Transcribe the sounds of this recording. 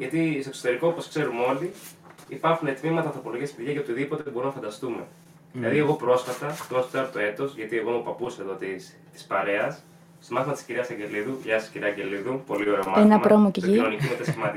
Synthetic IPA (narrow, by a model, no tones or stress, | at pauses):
ʝɐt̪isoekso̞t̪e̞ɾiko̞oposkse̞ɾumo̞lt̪i | ipɐɾxune̞t̪mimɐt̪ɐːnθɾo̞po̞lo̞ʝiɐspiðʝɐceot̪iðipo̞t̪ebo̞ɾunɐfɐnd̪ɐst̪ume̞̰ | ðilɐðie̞ɣo̞pɾo̞sfɐt̪ɐt̪oɐst̪ɐɾt̪oe̞t̪o̞sʝɐt̪ie̞ɣo̞mupɐpuseðo̞t̪is | t̪i̥spɐɾe̞ɐs | st̪omɐθimɐt̪isciɾiɐsɐɲɟe̞liðuʝɐsisciɾiɐɲɟe̞liðupo̞lioɾeomɐenɐpɾomocecinonicimet̪esimɐt̪i